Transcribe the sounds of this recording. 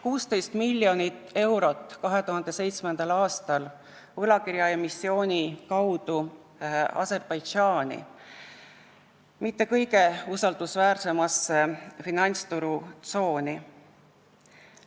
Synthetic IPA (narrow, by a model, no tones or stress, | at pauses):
kuːst̪e̞jst̪milʲːjo̞nit̪ːˑe̞wɾo̞t̪ːˑkɑɦe̞t̪uɦɑnd̪̥e̞sejt̪smend̪̥ɑlɑːst̪ɑl | vɤlɑkiɾjɑjɑmisːio̞ːnʲikɑwd̪̥u | ɑ̰se̞rb̥ɑjd̥ʒɑːnʲḭ | mit̪ːe̞kɤjɡe̞usɑld̪usvæːrse̞mɑsːefinɑnʲt̪st̪uɾut̪so̞ːnʲi